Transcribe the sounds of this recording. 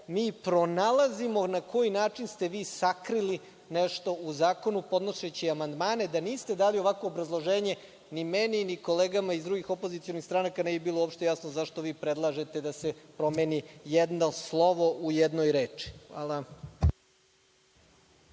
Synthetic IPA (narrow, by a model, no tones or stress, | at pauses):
miːpɾo̞nalazimo̞nakʰo̞jinaːt͡ʃinst̪e̞ʋiːsakɾili | neʃt̪o̞uzaːko̞nupo̞d̪noʃet͡ɕiamand̪maːne̞d̪aniːst̪e̞d̪aːlio̞ʋakʋoːbɾazlˠo̞ʒeːɲe̞ | nimeniniko̞leːɡamaizd̪ɾuɡixo̞pozit̪ijo̞nixst̪ɾanakaneːbibiːlˠoopʃt̪e̞jasnozaʃt̪o̞ʋiːpɾed̪lˠaʒe̞t̪e̞d̪asepɾo̞meːnijed̪noslˠo̞ʋo̞ʔujed̪no̞jɾeːt͡ʂi̥xʋa̰ːlˠa